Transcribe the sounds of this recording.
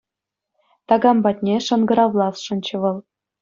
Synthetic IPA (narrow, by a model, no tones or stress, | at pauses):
t̪ɑɡɑmbɑt̪ʲnʲeʂɤ̆nɡɤ̆ɾɑʋlˠɑsʂɤ̆nt͡ɕɤ̆ʋɤ̆lˠ